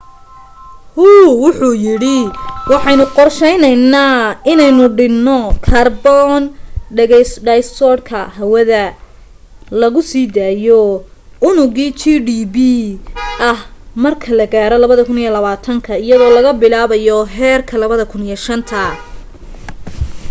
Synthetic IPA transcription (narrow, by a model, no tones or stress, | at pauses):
huːwʊħujɪɽɪwɑħɑjnʊqɔrʃɛjnɛjnaːɪnɛjnʊɖɪnːɔkʰɐrbɔnɖɛɣɛjsɖɛjst̪ɔːɽkʰɐhɐwɐðɐ | lɐɣʊsiːd̪aːjɔʊnʊɣiːt͡ʃiɖiːbiʔɐhmɐrkʰɐlɐɣaːɾɔlɐβɐðɐkʰʊnijɛlɐβaːt̪ʰɐŋkʰɐɪjɐðɔːlɐɣɐbɪlaːβɐjɔɦɛːrkʰɐlɐβɐðɐkʰʊnijɛʃɐnt̪ʰɐ